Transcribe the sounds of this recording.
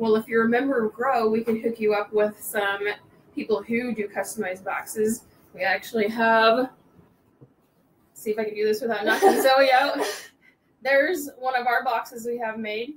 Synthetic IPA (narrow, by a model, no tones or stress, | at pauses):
wɛlˠəfjɨɹɨmɛ̃mbə˞ʌɡɹoʊwikɨ̃nɦɪkjɨʌpwɪð̥sʌ̃m | pʰipl̩ˠɦʉdɨkʰʌstəmaɪzbɑ̰ksɪz | wiæk̚t͡ʃʉl̩ˠiəv | siɨfaɪkɨ̃ndɨðɪswɨðaʊnʌθɨ̃nsoʊioʊt̚ | ðə˞zwʌ̃nʌvə˞bɑksɨzwiɨvmeɪd̥̚